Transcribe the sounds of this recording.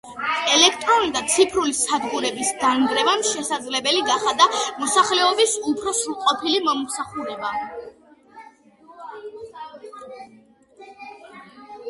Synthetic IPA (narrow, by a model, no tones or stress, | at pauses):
ɛlɛkʰt̪ʼɾɔnlid̪at̪sʰipʰɾulisad̪ʁuɾɛbisɡanɡɾɛvamʃɛsad̪zlɛbɛliɡaχad̪amɔsaχlɛɔbisupʰɾɔsulqʼɔpʰilimamusaχuɾɛba